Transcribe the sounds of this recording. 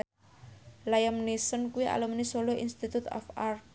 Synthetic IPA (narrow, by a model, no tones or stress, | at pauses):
lajəmnisənkuwiʔa̰ləmnisoloinst̪it̪ut̪ɔ̰far